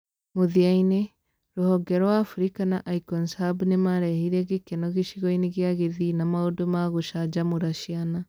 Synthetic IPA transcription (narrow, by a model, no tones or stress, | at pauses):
moðiaine | ɾohɔɡɛɾɔwaːfɾikanaʔaikɔnsabnemaɾɛhiɾɛɣekɛnɔɣeʃiɣɔineɣiaɣeðinamaodomaɣoʃad͡ʒamoɾaʃiana